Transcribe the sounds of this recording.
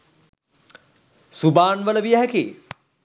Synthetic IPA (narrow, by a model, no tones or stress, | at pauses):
subaːnʋələʋijaɦɛki